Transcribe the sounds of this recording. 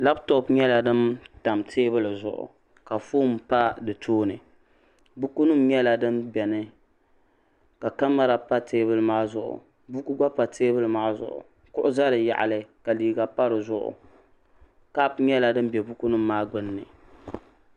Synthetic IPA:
la˦btɔ˦pɲɛ˦la˨dɨ˦mta˨mtʰeː˦bɨ˦lɨ˨zʊ̰˨ʔʊ̰˨ | ka˨fuː˦mpa˦dɨ˨tʰoː˦nɨ˨ | bu˦ku˦nu˦mɲɛ˦la˨dɨ˦mbɛ˨nɨ˦ | ka˨ka˦mːa˦ɾa˨pa˦teː˦bɨ˦lɨ˦maː˦zʊ˨ʔʊ̰˨ | bu˦ku˦ɡ͡ba˦pa˨tʰeː˦bɨ˦lɨ˨maː˦zʊ̰˨ʔʊ̰˨ | kʊ˦ʔʊ˦za˦ɾɨ˨ja̰˨ʔa̰˨lɨ˦ka˨liː˨ɡa˨pa˦ɾɨ˨zʊ˦ʔʊ̰˨ | ka˦pɲɛ˦la˨dɨ˦m˦bɛ˨bu˦ku˦nɨ˦mːaː˦ɡ͡bʊ˦nːɨ̰˨

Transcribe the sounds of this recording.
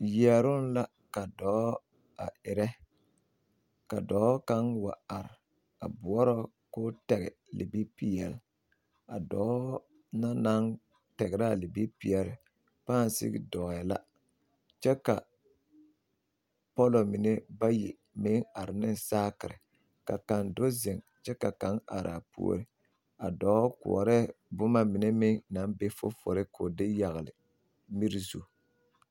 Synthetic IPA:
ji˨ɛ˨ɾʊ˦n˦la˦ | ka˨dɔː˨˦ | a˨ɪ˨ɾɛ˦ | ka̰˨dɔː˨˦ka˦nwa̰˨a˨ɾɪ˨ | a̰˨bʊ˨ɔ˦ɾɔ˦ | kʊː˦tɛ˨ɣɪ̰˨ | lḭ˨bi˦pi˦jɛ˨l | a˨dɔː˨˦ | na˦na˦n | tɛ˨ɡɪ˨ɾa˦˨li˨bi˦pi˨jɛ˨lɪ˨ | paː˦n˨sɪ̰˦ɡɪ̰˦dɔ˨ɣɛ˨la̰˦ | t͡ʃɛ˦ka˨ | pɔ˦lo˨mɪ˨nɛ˦ba˦ji˨ | me˦ŋa˨ɾɪ˨nɪ˦nsaː˦kɪ˨ɾɪ̰˨ | ka˨ka˨ndo˦zɛ˨ŋ | t͡ʃɛ˦ka˨ka˨˦ŋa̰˨ɾa˨pṵ˦o̰˦ɾɪ˦ | a˨dɔː˨˦kʊ̰˨ɔ̰˨ɾɛ˦bʊ˦ma˦mɪ˨ne˦me˦na˨˦nbe˦fʊ̰˦fʊ̰˨ɾɪ˦kʰo˨dɪ˦ja˨ɣɪ˨lɪ̰˨ | mi˦ɾi˦zṵ˦˨

